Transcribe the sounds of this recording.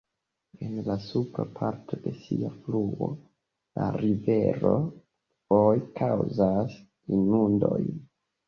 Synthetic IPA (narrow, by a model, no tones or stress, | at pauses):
enlasupɾapʰaɾtʰo̞de̞siafluo | la̰ɾive̞ɾo | fojkʰawzas | inundo̞j